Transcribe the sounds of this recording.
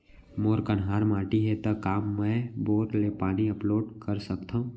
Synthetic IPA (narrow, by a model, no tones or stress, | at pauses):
moːɾkənɦaːɾmaːʈiɦɛt̪akaːmːɛ̃boːɾlepaːniɐploːɖkəɾsɐkt̪aɦũː